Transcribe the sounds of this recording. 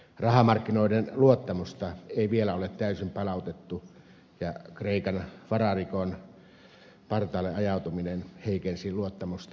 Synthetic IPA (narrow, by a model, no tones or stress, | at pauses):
rɑhɑmɑrkːinoˑidenluot̪ːɑmust̪ɑeˑiʋielæolet̪t̪æˑysimpɑlɑˑut̪et̪ːu | jɑkreˑikɑnʋɑrɑrikon | pɑrt̪ɑːlːeʔɑjɑˑut̪uminenheˑikensiluot̪ːɑmust̪ɑ